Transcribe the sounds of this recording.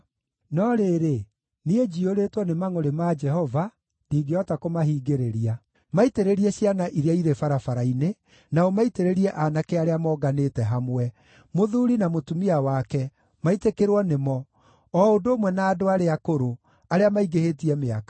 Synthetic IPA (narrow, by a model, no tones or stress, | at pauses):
nɔɾeɾe | nied͡ʒioɾetwɔnemaŋoɾemad͡ʒɛhɔva | niːɡeɔtakomaɦiːɡeɾeɾia | maiteɾeɾiɛɕjanaʔiɾeaiɾefaɾafaɾaine | naɔmaiteɾeɾiɛʔanakeaɾeamɔːɡanetɛɦamwɛ | moðuːɾinamotumiawakɛ | maitekeɾwɔnemɔ | ɔːondoːmwɛnaːdoaɾeakoɾo | aɾeamaiɡehetiɛmeakḁ